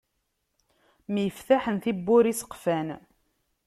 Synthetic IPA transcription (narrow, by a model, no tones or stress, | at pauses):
mjəfθaħənθibːʊɾisə̥qfæn